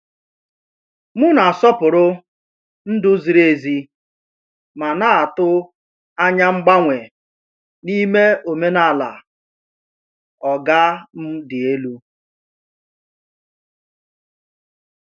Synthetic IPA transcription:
mʊ˦na˨sɔ˦pʊ˨ɾʊ˦ | n̩˦dʊ˦zi˨ɾe˦˨zi˦ | ma˨na˦a˨tʊ˦ | a˦ɲa˦ŋ͡m̩˦ɡ͡ba˦ŋʷe˨ | ni˦me˦o˨me˦na˦˨la̰˨ | ɔ˨ɡa˦m̩˦dɪ˨e˦lu˦

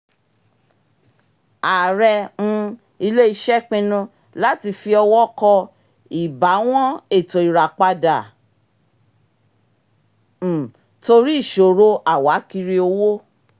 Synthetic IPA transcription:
a˨ɾɛ˧nũ˧ | i˧le˦i˧ʃɛ˦k͡pĩ˧nũ˧ | la˦ti˧fi˧ɔ˧wɔ˦kɔ˧ | i˨ba˨˦w̃ɔ̃˦e˦˨to˨i˨ɾa˨k͡pa˧da˨ | to˧ɾi˦˨ʃo˨ɾo˧˦a˨wa˨˦ki˧ɾi˧o˧wo˦

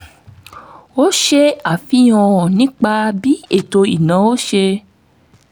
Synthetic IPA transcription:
o˦ʃe˦a˨fĩ˦ɔ̃˧ɔ̃˨nĩ˨˦k͡pa˦˧bi˦e˦˨to˧i˨nã˨˦o˦ʃe˧

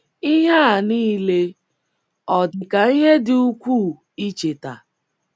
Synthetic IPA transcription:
i˦ɦa˦˨niː˦le˦ | ɔ˨dɪ˨ka˨i˦ɦe˦dɪ˨u˦kʷu˦˨ | i˦t͡ʃe˨ta̰˨

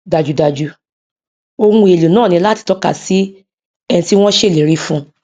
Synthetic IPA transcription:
da˨d͡ʒu˨da˧d͡ʒu˧ | o˧ŋũ˦e˨lu˨nãː˦˨nĩ˧˦la˦ti̥˧˦tɔ˦ka̰˨si˦ | ɛ˧nĩ˧ti˦w̃ɔ̃˦ʃe˦˨le˨ɾi˨˦fũ˦

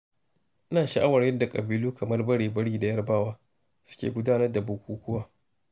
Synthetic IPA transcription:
ʔɪ˦naː˨ʃa˨ʔa˦wɐ˨rjɐ˦rda˨kʼɐ˨biː˦luː˦kɐ˨mɐ˦rbɐ˦ɽeː˨bɐ˦ɽiː˦da˨jɐ˦rbaː˦waː˦ | sʊ̥˦kʲḛ˨ɡʷʊ˦daː˦nɐ˦rda˨bʊ˨kʷuː˦kʷʊ˦waː˦

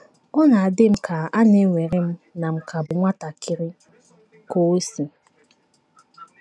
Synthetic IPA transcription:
ɔ˦na˨a˨dɪ˦m̩˦kʰa˨a˦ne˦ŋʷe˨ɾɪ˦m̩˦na˨m̩˨kʰa˨bʊ˨ŋʷa˦ta˨kʰɪ˨ɾɪ˦ | ko˦si˨

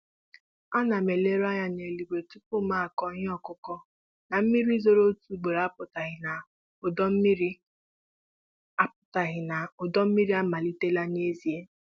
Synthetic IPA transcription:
a˦na˨me˨le˦ɾa˦ɲa˦ne˨li˨ɡ͡be˨tu˦po˦˨ma˦a˨kɔ˦ɲ˦ɔ˦kʊ˦kɔ˦ | na˨m̩˦mi˦ɾi˦zo˦ɾo˦tu˦˨ɡ͡be˨ɾa˦pʊ˨ta˨ɣɪ˨na˨ | ʊ˨dɔ˦m̩˦i˦ɾi˦ | a˦p̚ʊ̥˨ta˨ɣɪ˨na˨ʊ˨dɔ˦m̩˦mi˦ɾi˦a˦ma˨li˦te˦la˦ne˦zi˨e˦

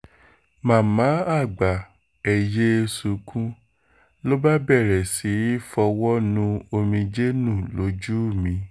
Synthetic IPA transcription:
mã˨˦˨mã˨˦a˦˨ɡ͡ba˨ | ɛ˨je˦su˨˦kʰũ˦ | lo˦ba˦bɛ˦˨ɾɛ˨si˨˦fɔ˧wɔ˦nũ˧˦o˧mĩ˧d͡ʒe˦nũ˦˨lo˨˦d͡ʒu˦˨mĩ˨˧˦

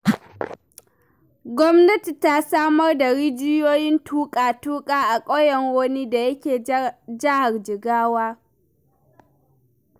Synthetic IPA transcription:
ɡʷɔ˦mnɐ˦ti˨ta˦saː˦mɐ˦rda˨ɽɪ˦d͡ʒɪ˦joː˦jɪ˦ntʰuː˦kʼaː˨tuː˦kʼaː˦ʔa˨kʼɔ˦jɛ˨ŋwoː˦niː˦da˨jɐ˦kʲeː˨d͡ʒɪ˦ha˨rd͡ʒɪ˨ɡaː˦waː˦

